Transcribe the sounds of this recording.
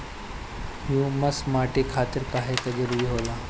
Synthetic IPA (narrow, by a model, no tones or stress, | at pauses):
hjuməsmaʈekʰat̪əɾpaɦet̪əd͡ʒəɾʋiɦola